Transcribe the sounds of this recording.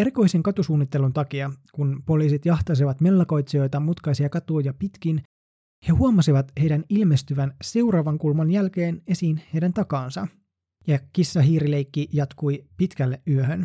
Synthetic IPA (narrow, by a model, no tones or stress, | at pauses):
e̞ɾiko̞jseŋkɑt̪usuːnːit̪ːe̞lunt̪ɑkiɑkunpo̞liːsit̪jɑht̪ɑs̬iʋɑt̪me̞lːɑko̞jt̪sio̞jt̪ɑmut̪kɑjsiɑkɑt̪uːjɑpit̪k̟in | he̞huɑmɑsiʋɑt̪he̞jdænilme̞st̪yʋænse̞urɑːʋɑŋkulmɑnjælke̞ːne̞siːnhe̞jdænt̪ɑkɑːnsɑ | jɑkisːɑɦiːɾilejkːijɑt̪kujpit̪kælːeʔyøhøn